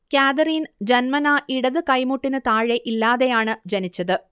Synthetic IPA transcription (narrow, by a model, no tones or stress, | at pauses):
kaːd̪ɐriːnd͡ʑɐnmɐnaːʔiɽɐðɨkɐjmuʈːinɨt̪aːɻe̞ʔilːaːðejaːɳɨd͡ʑɐnit͡ɕːɐðɨ